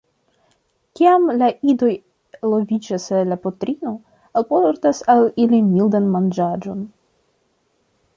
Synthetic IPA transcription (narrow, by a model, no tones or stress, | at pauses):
kʲiamlaʔid̪o̞j | lovʲid͡ʒasalapotɾino̞ | alpoɾtasalilimild̪anmand͡ʒad͡ʒo̞n